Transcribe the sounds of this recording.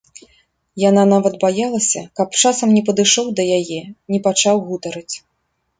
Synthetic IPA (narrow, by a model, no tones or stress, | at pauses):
jananavɐd̪bajalˠɐsʲɐkɐpt͡ʂasɐmnʲɛpɐd̪ɨʂɔwd̪ɐjajɛnʲɛpat͡ʂawɣut̪ɐɾɨt͡sʲ